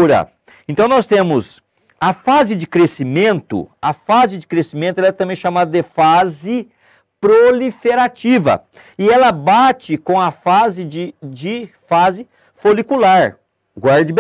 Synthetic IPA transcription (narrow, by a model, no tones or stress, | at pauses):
ɾɐ̰ | ẽnt̪ɐ̃w̃nɔst̪ẽmʊs | ɐfazɪd͡ʒɪkɾesimẽnt̪ʊ̰ɐfazɪd͡ʒɪkɾesimẽnt̪ʊɛlɐɛt̪ɐ̃mbẽj̃ʃamad̪ɐd̪ɪfazɪ | pɾolifeɾat͡ʃivɐ̰ | ɪɛlɐbat͡ʃɪkõɐfazɪd͡ʒɪd͡ʒɪfazɪ | folikulaɾ | ɡwaɾd͡ʒɪb